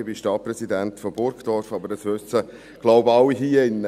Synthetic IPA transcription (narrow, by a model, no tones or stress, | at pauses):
bɪʃtɑt̚prɛsidænt̪fɔbʊɾkd̥̪ɔɾfɑbəɾəsʋøst͡sə | ɡ̥loʊbɑwiɦiəɪnːə